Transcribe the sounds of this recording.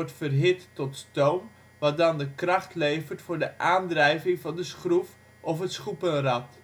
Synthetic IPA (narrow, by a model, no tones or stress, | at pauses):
ɔɹtfərɦɪtːɔtstowm | ʋɑt̚dɑndəkrɑχtlejvərtfʊːɹdəʔaːndrɛjvɪŋvɑndəsχruf | ʔɔfɦətsχupənrɑt